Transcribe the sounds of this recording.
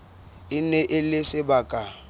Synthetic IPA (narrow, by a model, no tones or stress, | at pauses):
ɪnɛʔɪlɪsɪbakʼa